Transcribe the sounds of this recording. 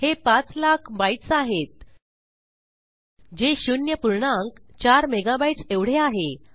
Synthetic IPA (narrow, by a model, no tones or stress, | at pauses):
hepat͡slakʰbajʈsaɦet̪̚ | d͡ʑeɕunjəpuɾɳaŋkt͡ɕaɾmeɡabajʈt͡seʋɽ̤eaɦe